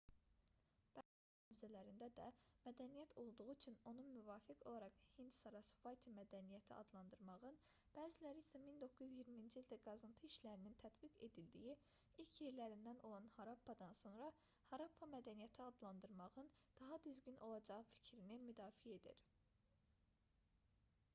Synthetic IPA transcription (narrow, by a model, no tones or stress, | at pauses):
b̥æːzi | nævzælæɾind̪æd̪æmæd̪ænijæt̪ʰo̞lˠd̪uɣut͡ʃʰyno̞nunmyvɑːfikʰo̞lˠɑɾɑqhind̪sɑɾɑsvɑjt̪ʰimæd̪ænijæt̪ʰiʔɑ̰d̪lˠɑnd̪ɯɾmɑʁɯn | b̥æːzilæɾiisæmind̪o̞kʰːuzyzjiɾmind͡ʒild̪æɡɑzɯnt̪ʰɯiʃlæɾinint̪ʰæt̪biɡe̞̰d̪ild̪iji | ilcʰjeɾlæɾind̪ænʔo̞lˠɑnhɑɾɑpʰːɑd̪ɑnso̞nɾɑ | hɑɾɑpʰːɑmæd̪ænijæt̪ʰiɑd̪lˠɑnd̪ɯɾmɑʁɯnd̪̥ɑɦɑd̪yzɟynʔo̞lˠɑd͡ʒɑʁɯfi̥cʰɾinimyd̪ɑːfijee̞d̪ḭɾ